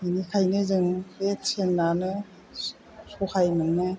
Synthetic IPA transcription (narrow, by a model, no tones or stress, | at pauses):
inikʰajnɯzɯŋbesʰenːanɯ | suhajnɯŋnɯ